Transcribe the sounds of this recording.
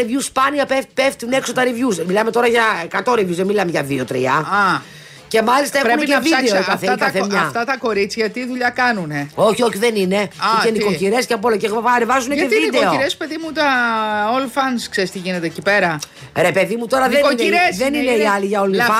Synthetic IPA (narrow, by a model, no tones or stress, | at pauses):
ivʝuspɐniɐpepeft̪unekso̞t̪ɐɾivʝuzmilɐme̞t̪o̞ɾɐʝɐekɐt̪o̞ɾivʝuzðemilɐmeʝɐðio̞t̪ɾḭɐ̰ɐ | ce̞mɐlist̪ɐe̞uneevid̪eookɐθek̪ɐθemɲɐft̪ɐt̪ɐko̞ɾit͡sçɐt̪iːðuʎɐkɐnuneo̞çio̞çiðenine̞ienikociɾe̞sceɐpo̞loceɣɐɾevɐzuneeid̪eoɾespe̞ðimut̪ɐolfɐnskseɾist̪iʝinet̪ecipeɾɐ | ɾe̞pe̞ðimut̪o̞ɾɐðeoniɾesðenineiɐliʝɐolifɐ